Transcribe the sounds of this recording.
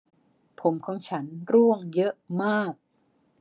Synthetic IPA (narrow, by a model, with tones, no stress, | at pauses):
pʰo˩˦mkʰɔː˩˦ŋt͡ɕʰa˦˥nɾu˥˩əŋjɤ˦˥maː˥˩k̚